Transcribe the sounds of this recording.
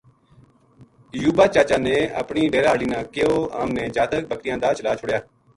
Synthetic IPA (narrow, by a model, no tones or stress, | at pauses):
juːbaːt͡ʃaːt͡ʃãːneːə̰pɳiːɖeːɾaːliːnãːkeːoːa̰ːmnẽːd͡ʒaːt̪ək̚bəkɾɪjãːd̪aːt͡ʃəlaːt͡ʃʰʊɽjaː